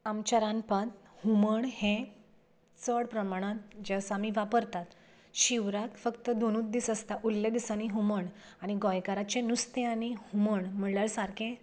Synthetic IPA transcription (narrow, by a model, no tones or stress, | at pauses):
amt͡ɕaɾãnpat̪ | huməɳhẽ | t͡səɽpɾəmaɽ̃ãt̪̚d͡ʑəsamiʋapəɾt̪at̪ | ɕiʋɾak̪fəkt̪əd̪onũt̪̚d̪iːsəst̪aʔulːed̪isañiɦuməɳaɽ̃iɡɔjkaɾat͡ɕenust̪ẽaɽ̃ihuməɳm̤əɭljaɭsaɾkʰẽ